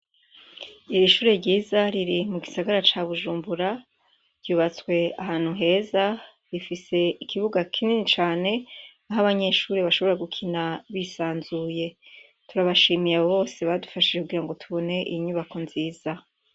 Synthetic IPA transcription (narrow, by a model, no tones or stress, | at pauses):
iɾiʃuːɾeɾɟiːzaɾiɾimuɡisaɡaɾat͡ʃaβuʒuːmbuɾa | ɾɟuːβat͡swe̞aɦaːn̥huɦe̞ːza | ɾifise̞ikʰiβuɡakʰininit͡ʃaːne̞naɦaβaɲe̞ʃuːɾiβaʃo̞βo̞ɾaɡukʰinaβisaːnzuːje̞ | tuɾaβaʃiːmijaβoβo̞ːse̞βadufaʃiekuɡiɾaŋɡo̞tʰuβo̞ne̞ʔḭiɲuβako̞nziːz̥a